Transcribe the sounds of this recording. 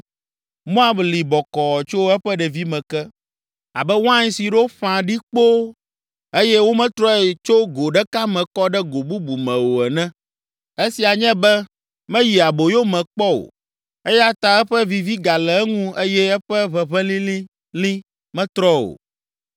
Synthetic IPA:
mõ˦a˦bli˨bɔ˨kɔ˨ɔ˨t͡ʃo˦ɛ˦ɸɛ˦ɖɛ˨vi˦mɛ̃˨kɛ˦ | a̰˨bɛ˦wã˦ɲ˦si˨ɖo˦ɸã˨ɖi˦k͡po˦ | e˦jɛ˦wo˦mɛ̃˦t̪ɾɔ˦ɛ˨t͡ʃo˦ɡo˨ɖɛ˦ka˦mɛ̃˨kɔ˦ɖɛ˦ɡo˨bu˦bu˨mɛ̃˨wo˨ɛ˨nɛ̃˦ | e˦si˨a˨ɲɛ̃˦bɛ˦ | mɛ̃˦ji˨a˨bo˨jo˦mɛ̃˨k͡pɔ˦o̰˨ | e˦ja˦t̪a˨ɛ˦ɸɛ˦vi˦vi˦ɡa˨lɛ˨ɛ˦ŋũ˦e˦jɛ˦ɛ˦ɸɛ˦βɛ˨βɛ̃˦lĩ˦li˦ | lĩ˦ | mɛ̃˦t̪ɾɔ˦o̰˨

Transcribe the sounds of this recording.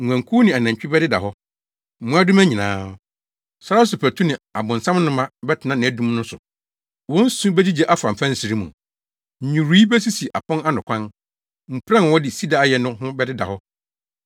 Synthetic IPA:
ŋ̩ʷ˨æ̃˨ŋkʰuː˦nɪ̃˨a˨næ̃˨ɲ˨t͡ɕᶣɪ˦bɛ˦dɪ˦da̰˨hɦɔ˦ | m̩˦mũ˦a˦dʊ˦mæ̃˦ɲĩ˨nãː˨˦ | sa˦ɾa˦sʊ˨pʰɛ˨tʰu˦nɪ̃˨a˨bʊ̃˨n˨sã˦mnʊ̃˦mã˦bɛ˦tʰɪ˨nã˦nɪ̃˨æ˨dũ˦mnʊ̃˦sʊ̰˨ | wɔ̃˦n̩˦sũ˦bɛ˦di˦d͡ʑɛ˦ʔa˦fã˨m̩˨fã˦n̩˨si˨ɾi˦mũ˨ | ɲ̩˨ɲũ˨ɾi˦bɛ˦s̬i˦si˨ʔa̰˨pʰɔ̃˦na˦nʊ̃˨kʷʰã˦n | m̩˨pʰɾã˦n˨wɔ˦dɪ˨si˦da˨a˨jɛ˨nʊ̃˦ɦʊ̃˦bɛ˦dɪ˦da̰˨hɔ˦

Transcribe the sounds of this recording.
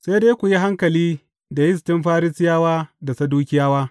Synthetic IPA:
se˦deː˦kʷu˨ji˦ɦa˦ŋkɐ˨liː˦ | da˨jɪ˦s̬tɪ˦mɸaː˦ɾɪ˦sɪ˦jaː˦waː˦da˨sɐ˦duː˦kʲɪ˦jaː˦waː˦

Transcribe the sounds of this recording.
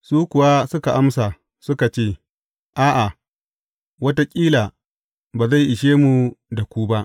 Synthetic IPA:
suː˦kʊ˨wa˦sʊ˦ka˨ʔa˦msa˨ | sʊ˦ka˨t͡ʃeː˦˨ | ʔaː˦ʔa˨ | wɐ˦ta˦kʲʼiː˦laː˨ | baː˨za˦˨jʔɪ˨ʃeː˦mu˨da˨kʷuː˦ba˦ʔ

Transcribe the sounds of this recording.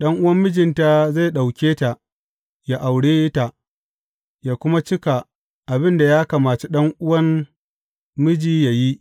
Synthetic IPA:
ɗɐ˦ŋʔʊ˦wɐ˦mːɪ˦d͡ʒɪ˨nta˨za˦˨jɗa˨wkʲeː˦ta˨ʔ | ja˦ʔa˨wɽeː˦ta˨ʔ | jaː˨kʷʊ˦ma˦t͡ʃɪ˦ka˨ | ʔa˨bɪ˦nda˨jaː˦ka˨maː˨t͡ʃe˦ɗɐ˦ŋʔʊ˦wɐ˦mː | ɪ˦d͡ʒiː˦ja˨ji˦ʔ

